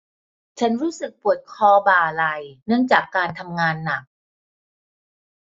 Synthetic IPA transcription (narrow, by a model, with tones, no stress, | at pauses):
t͡ɕʰa˦˥nɾuː˦˥sɯ˨˩k̚pu˨˩ət̪̚kʰɔː˧baː˨˩la˧˩jnɯ˦˥əŋt͡ɕaː˨˩kːaː˧nt̪ʰa˧mŋaː˧nːa˨˩k̚